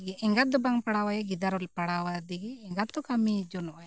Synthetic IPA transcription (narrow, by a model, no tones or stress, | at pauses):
ɡɛɛŋɡad̪ɔbaŋpaɽawajaɡid̪aɾɔlpaɽawajd̪iɡɛɛŋɡat̪̚d̪ɔkamid͡ʒɔnɔʔaja